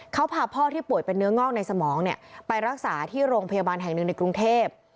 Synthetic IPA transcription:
kʰa˦˥wpʰaː˧pʰɔː˥˩t̪ʰiː˥˩pu˨˩əjpe˧nːɯ˦˥ɐŋɔː˥˩k̚na˧jsa˧mɔː˩˦ŋni˥˩ɐəpa˧jɾa˦˥k̚saː˩˦t̪ʰiː˥˩ɾoː˧ŋpʰa˧jaː˧baː˧nɦɛ˨˩ŋnɯ˨˩ŋna˧jkɾu˧ŋt̪ʰeː˥˩p̚

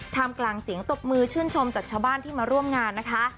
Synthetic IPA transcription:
t̪ʰaː˧mklaː˧ŋsi˨˩˦əŋt̪o˨˩k̚mɯː˧t͡ɕʰɯː˥˩nt͡ɕʰo˧mt͡ɕaː˨˩k̚t͡ɕʰaː˧wbaː˥˩nt̪ʰiː˥˩maː˧ɾu˥˩əmŋaː˧nːa˦˥kʰa˦˥

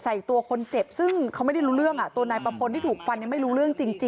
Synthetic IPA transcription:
sa˨˩jt̪u˧ɐkʰo˧nt͡ɕe˨˩p̚sɯ˥˩ŋʰa˦˥wma˥˩jda˥˩jɾuː˦˥ɾɯ˥˩əŋʔa˨˩t̪u˧ɐnaː˧jpa˧pʰo˧nt̪ʰiː˥˩uː˨˩k̚fa˧nːi˧˨˩ma˥˩jɾuː˦˥ɾɯ˥˩əŋt͡ɕi˧ŋt͡ɕi˧

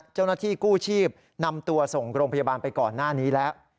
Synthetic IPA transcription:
t͡ɕa˥˩wnaː˥˩t̪ʰiː˥˩kuː˥˩t͡ɕʰiː˥˩p̚ | na˧mt̪u˧ɐso˨˩ŋɾoː˧ŋpʰa˧jaː˧baː˧npa˧jkɔː˨˩nːaː˥˩niː˦˥lɛː˦˥w

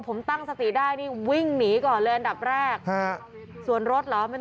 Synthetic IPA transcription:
pʰo˩˦mt̪a˥˩ŋsa˧t̪i˨˩daː˥˩jniː˥˩wi˥˩ŋniː˩˦kɔː˨˩nlɤː˧jʔa˧nda˨˩p̚ɾɛː˥˩k̚ | su˨˩ənɾo˦˥t̪̚lɔ˨˦ma˥˩jt̪

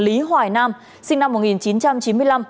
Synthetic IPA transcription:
li˨˦ɦwaː˨˩jnaː˧m | sï˧ŋna˧mːo˨˩t̚ŋi˨˩nt͡ɕi˨˦nt͡ɕa˧mt͡ɕi˨˦nmɨ˧əjla˧m

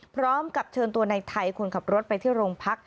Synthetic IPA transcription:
pʰɾɔː˦˥mka˨˩p̚t͡ɕʰɤː˧nt̪u˧ɐna˧jt̪ʰa˧jkʰu˧nkʰa˨˩p̚ɾo˦˥t̪̚pa˧jt̪ʰiː˥˩ɾoː˧ŋpʰa˦˥k̚

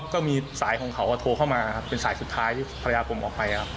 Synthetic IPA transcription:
kɔː˥˩miː˧saː˩˦jkʰɔ˧ŋkʰa˨˦wʔa˧t̪ʰoː˧kʰa˥˩wmaː˧˨˩kʰa˦˥pːe˧nsaː˩˦jsu˨˩t̪ʰːaː˦˥jt̪ʰiː˥˩pʰɾa˧jaː˧kʰo˧mʔɔ̰ː˨˩k̚pa˧ja˨˩kʰa˦˥

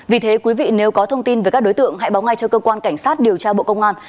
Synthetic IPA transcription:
vi˨˩t̪ʰe˨˦kwi˨˦vḭ˧˨ne˨˦wkɔ˨˦t̪ʰə˧wŋ͡mt̪i˧nve˨˩kaː˦˥k̚ɗo˨˦jt̪ɨ̰˧˨əŋɦa̰˧˥jɓa˨˦wŋa˧jt͡ɕɔ˧kəː˧kwaː˧nka˧˩jŋ̟saː˦˥t̚ɗi˨˩əwt͡ɕaː˧ɓo̰˧˨kə˧wŋ͡mʔaː˧n

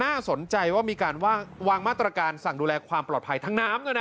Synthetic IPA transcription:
naː˥˩so˩˦nt͡ɕa˧jwaː˥˩miː˧kaː˧nwaː˥˩waː˧ŋmaː˥˩t̪ːɾa˧kaː˧nsa˨˩ŋduː˧lɛː˧kʰwaː˧mplɔ̰ː˨˩t̪̚pʰa˧jt̪ʰa˦˥ŋnaː˦˥mnaː˥˩na˦˥

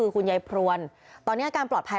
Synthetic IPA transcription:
ɯː˧kʰu˧njaː˧jpʰɾu˧ən | t̪ɔː˧nːi˦˥a˧˩kaː˧nplɔː˨˩t̪̚pʰa˧

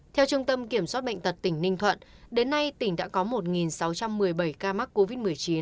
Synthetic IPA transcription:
t̪ʰɛ˧wt͡ɕʊ˧ŋ͡mt̪ə˧mki˧˩əmswaː˦˥ɓə̰˧˨ŋt̪ə˨˩t̚t̪ï˧˩ŋ̟nï˧ŋ̟t̪ʰwə̰˧˨nɗe˨˦nːa˧jt̪ï˧˩ŋɗa̰ː˧˥kɔ˨˦mo˨˩t̚ŋi˨˩nsa˨˦wt͡ɕa˧mːɨ˨˩əjɓə˧˩jkaː˧ma˦˥t̚ko˧vi˦˥t̚mɨ˨˩əjt͡ɕi˨˦n

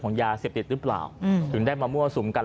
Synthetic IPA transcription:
kʰɔː˩˦ŋjaː˧seː˨˩p̚t̪i˨˩t̪̚ɾɯː˦˥pla̰ː˨˩wt̪ʰɯ˩˦ŋdaː˥˩jmaː˧mu˥˩ɐsu˩˦mka˧

